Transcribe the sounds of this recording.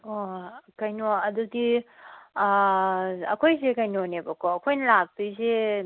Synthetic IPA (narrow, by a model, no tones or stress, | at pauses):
okɐjnoɐdudi | ɐkʰojzekɐjnonebɐkʰoɐkʰojnɐlak̚dize